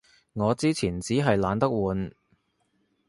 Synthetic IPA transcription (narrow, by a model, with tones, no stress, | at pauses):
ŋɔː˨˧t͡siː˥t͡sʰiː˨˩nt͡siː˨˥ɦɐ˨jlaː˨˧nt̪ɐ˥k̚wuː˨˧n